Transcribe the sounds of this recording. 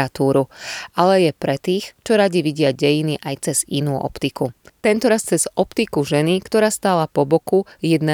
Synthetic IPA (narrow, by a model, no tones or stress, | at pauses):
at̪uːɾualɛjɛpɾɛt̪iːxt͡ʃɔɾaɟiʋiɟɪaɟɛjiniʔajt͡sɛz̥inuːʔɔ̰pt̪ikut̪ɛnt̪ɔɾast͡sɛz̥ɔpt̪ikuʒɛnikt̪ɔɾaːst̪aːlapɔbɔkujɛd̪nɛ